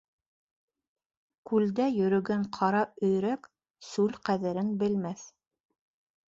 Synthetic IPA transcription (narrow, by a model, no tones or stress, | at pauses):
kʉld̪æjɵ̆ɾɵ̆ɡæɴqʰɑɾɑɵ̆jɾæk | sʉlqæðɘ̆ɾɘnbɘ̆lmæθ